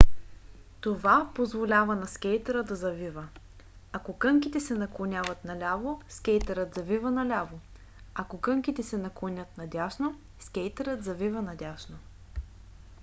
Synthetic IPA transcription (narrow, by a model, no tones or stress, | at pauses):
t̪ovapozvolʲavɐnɐskʲɛjt̪əɾəd̪ɐzɐvivə | akokɤŋkʲit̪ɛsɛnɐklˠonʲavɐt̪nɐlʲavoskʲɛjt̪ɛɾət̪zɐvivənɐlʲavo | akokɤŋkʲit̪ɛsɛnɐklˠonʲɤt̪nɐd̪ʲaʃno | skʲɛjt̪əɾət̪zɐvivənɐd̪ʲaʃno